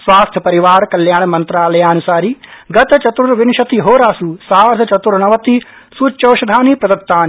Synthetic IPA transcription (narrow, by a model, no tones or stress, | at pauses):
sʋaːst̪ʰjɐpɐɾiʋaːɾkɐljaːɳɐmɐnt̪ɾaːlɐjaːɐnusaːɾiɡɐt̪ɐt͡ʃɐt̪ɾuɾʋinʃɐt̪iɦoːɾaːsusaːɾd̪ʱɐt͡ʃɐt̪uɾɐnɐʋɐt̪i | suːt͡ʃːɐwʃɐd̪ʱaːnipɾɐd̪ɐk̚t̪ːaːni